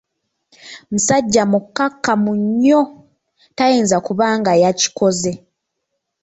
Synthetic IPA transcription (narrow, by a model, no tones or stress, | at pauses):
musaɟːamukːakːamuɲːo̞ | tajiːnzakuβaːŋɡajaci̥ko̞ze̞